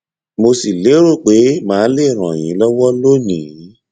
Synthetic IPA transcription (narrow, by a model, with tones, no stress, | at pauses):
mo˧si˨le˨˦ɾo˦˨k͡pe˨˦mãː˨˦le˦˨ɾ̃ã˨j̃ĩ˨˦lɔ˦wɔ˦lo˦nĩ˨˦